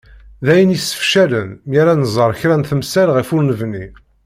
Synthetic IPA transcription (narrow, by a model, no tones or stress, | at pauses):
ðæjənisə̥fʃælənjaɾænəzˤəɾˤçɾænθəmsælʁifʊɾnəvni